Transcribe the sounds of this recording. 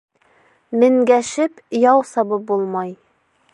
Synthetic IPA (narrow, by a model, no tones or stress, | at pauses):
mɘ̆ŋɡæʃɘp | jɑwsɑbɤp̚bulˠmɑj